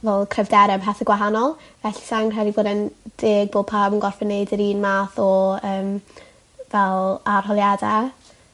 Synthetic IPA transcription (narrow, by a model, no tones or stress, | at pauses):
vɛlˠkʰrɛvdɛɾɛbɦɛθəɡwaɦanɔlˠvɛɬi̥saŋr̥ɛdiboːdənd̥eːɡ̚boːd̚pʰaːbənɡɔrfɛnejdəɾiːnmaːθɔəːm | vɛlˠarɦɔlˠjada